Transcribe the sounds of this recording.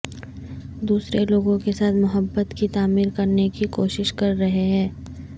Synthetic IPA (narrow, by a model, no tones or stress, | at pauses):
d̪uːsɾeloːɡõkesaːt̪ʰmʊɦəbːət̪kit̪aːmiːɾkɐɾnekikoːʃɪʃkɐɾːɐɦeɦɛ̃ː